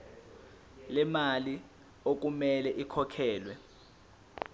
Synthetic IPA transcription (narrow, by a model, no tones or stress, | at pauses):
lɛmali | ok̬umɛlɛʔikʰɔkʰɛːlwɛ